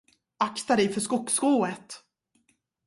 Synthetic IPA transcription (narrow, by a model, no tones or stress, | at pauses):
akt̪ad̪ɛjfœʂkʊkːskoːət̪